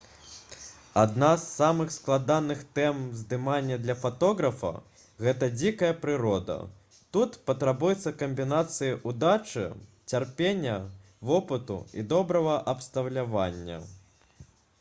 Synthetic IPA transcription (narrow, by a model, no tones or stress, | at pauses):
ad̪nasːamɨxsklˠad̪anɨxt̪ɛmzd̪ɨmanʲːɐd̪lʲɐfat̪ɔɣɾɐfɐ̰ | ɣɛt̪ɐd͡zʲikɐjɐpɾɨɾɔd̪ɐ̰ | t̪ut̪pɐt̪ɾabujɛt̪sːɐkɐmʲbʲinat̪sɨjiʔud̪at͡ʂɨ̰ | t͡sʲarpʲenʲːɐ | vɔpɨt̪ṵḭd̪ɔbɾɐɣɐʔɐpst̪ɐwlʲavanʲːɐ̰